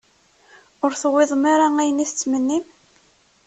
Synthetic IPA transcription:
ʊɾθəwːɪðˤmaɾaæjəniθət͡sːmənːim

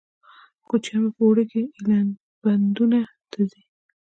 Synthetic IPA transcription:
kot͡ʃamepowɽəkeilan | band̪una | t̪azi

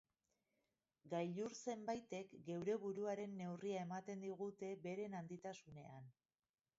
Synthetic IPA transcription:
ɡajʎuɾse̞mbajt̪e̞kɡe̞wɾe̞βuɾuaɾe̞nːe̞wriae̞mat̪e̞nd̪iɣ̞ut̪e̞be̞ɾe̞nand̪it̪asune̞an

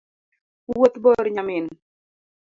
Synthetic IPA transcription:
wot̪bɔɾɲamɪn

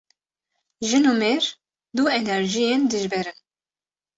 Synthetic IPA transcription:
ʒɨnumeɾ | d̪uɛnɛɾʒijend̪ɨʒbɛɾɨn

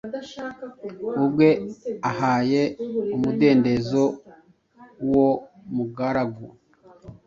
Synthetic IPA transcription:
ubɡwe̞ahaːjeumude̞ːnde̞zo | wo | muɡaɾaɡu

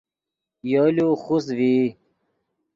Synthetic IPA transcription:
joluxusvi

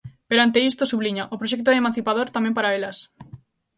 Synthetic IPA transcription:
peɾoant̪eist̪osuβliɲaʔopɾoʃɛk̚t̪̬oðemãn̟θipaðoɾt̪amɛ̃mpaɾaelɐs

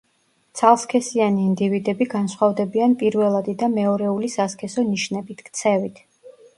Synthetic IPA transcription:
t̪sʰalˠskʰɛsianiːnd̪ivid̪ɛbiɡansχwavd̪ɛbianpʼiɾvɛlˠad̪id̪amɛɔɾɛulisaskʰɛsɔniʃnɛbit̪ʰkʰt̪sʰɛvit̪ʰ

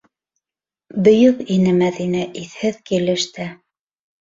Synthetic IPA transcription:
bɵ̆jɵkinɘmæðinæʔiθhɘðkilɘ̆ʃt̪æ

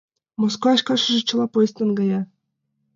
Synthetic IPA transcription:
moskoɑʃkɑʃɤ̆ʒɤ̆t͡ɕɤ̆lˠɑpojst̪ɤ̆nɡɑjɑ

